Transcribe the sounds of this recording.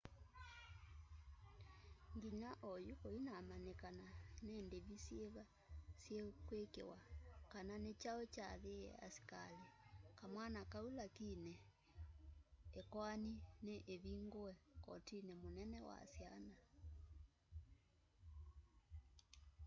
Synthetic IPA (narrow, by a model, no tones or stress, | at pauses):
ŋɡiɲaʔojukoinamanekananendeβisjeβa | sjekwekḛwakananet͡ʃaot͡ʃaðeɛ̰a̰si̥kalekamwanakaulakinɛ | ekwanineʔeβiŋɡoɛkɔtinemonɛnɛwa̰sjana